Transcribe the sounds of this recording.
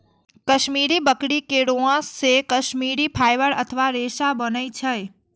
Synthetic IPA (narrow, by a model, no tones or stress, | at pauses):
kəʃmiɾibəkɽikeɽoãsːekəʃmiɾipʰajʋəɽə̰t̪ʰəʋaɾeʃabənəjt͡ʃʰəj